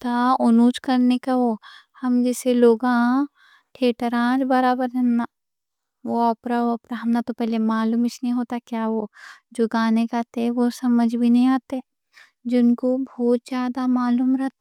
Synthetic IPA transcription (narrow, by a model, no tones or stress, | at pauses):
t̪aʊnuːt͡ʃkɐɾnekaʋoː | hɐmd͡ʒɛːseloːɡã | ʈʰeːʈəɾãːd͡ʒbɐɾaːbəɾɦɛ̃nːaː | ʋoɔpɾaoɐpɾaɦɐmnat̪opɛɦlemaːluːmɪt͡ʃʰnɐĩɦoːt̪akjaːʋod͡ʒoːɡaːnekat̪eʋosɐməd͡ʒʱbʱinɐɦĩaːt̪eɦɛ | d͡ʒɪnkobʱɔːt̪̚d͡ʒjaːd̪amaːluːmɾɐɦt̪ː